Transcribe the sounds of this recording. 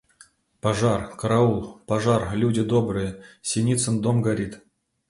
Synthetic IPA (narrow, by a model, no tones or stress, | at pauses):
paʐɑrkɾaulˠpaʐɑrlʲudʲɪd̪obrɨjəsʲenʲit̪t͡sənd̪omɡaɾʲit̪